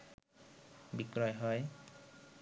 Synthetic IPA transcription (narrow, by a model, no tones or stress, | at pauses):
bikɹɔjɦɔj